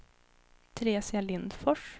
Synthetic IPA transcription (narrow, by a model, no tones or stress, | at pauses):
t̪ʰɾeːsɪalɪnd̪fɔʂ